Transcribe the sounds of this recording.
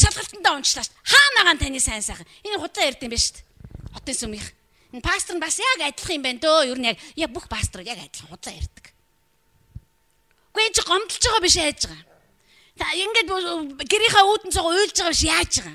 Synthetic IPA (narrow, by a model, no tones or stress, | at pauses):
ʃaɮʁə̆ɬt̪ənt̪æːʊnt͡ɕɮaːʃt̪χaːnaʁaːnt̪ʰaniːsæːnsæːχə̆neniːχʊt̪ɮaːer̥ʲt̪iːmpeʃt̪χɔt̪iːnsumiχ | npʰast̪r̆ənpasjakat̪̆ʲɮ̆χiːmpæːnt̪oːjuɾɘ̆njak̚jak̚puxpʰast̪ʰrjakæ̰t̪ʲɪ̆ɮ̥əχiːɴχʊt̪ɮaːer̥ʲt̪ə̥̆k | ɡ̥uent͡ɕʰiɢɔmt̪ɞ̆ɬt͡ɕiːʁɔːpiʃ̬æːt͡ɕɪʁaː | t̪ʰaeŋɡeːt̪̚ɡeɾiːχɔːuːt̪ɘ̆nt͡sʊʁujɮt͡ɕɪʁaːpiʃjaːt͡ɕɪ̆ʁaː